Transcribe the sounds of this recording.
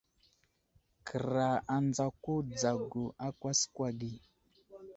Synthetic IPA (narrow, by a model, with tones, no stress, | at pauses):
kə˨ɾa˨a˨nd͡za˨ko˦d͡za˨ɡu˨ʔa˦kwa˦skwa˨ɡi˨